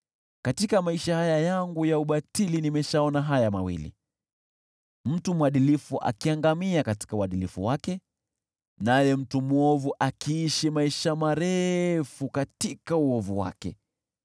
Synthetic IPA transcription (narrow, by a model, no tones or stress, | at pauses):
katikamaiʃahajajaŋɡujauɓatilinimɛʃaɔnaɦajama̰wḭlḭ | m̩tumuaɗilifuʔa̰kiaŋɡamiakati̥kauaɗilifṵwakɛ | najɛm̩tumuɔvuʔakiːʃimaiʃamaɾɛfukatikauɔvuwa̰kɛ